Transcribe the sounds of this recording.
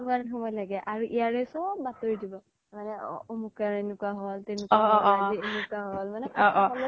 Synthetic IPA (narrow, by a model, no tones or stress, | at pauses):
mɡannɦumɔjlaɡɛʔaɹuʔijaɹɛsɔbːatoɹidibɔ | manɛɔ̰omukaɹenʊkuaɦɔltɛnukaɔienukaɦɔlmanɛɔʔɔɔl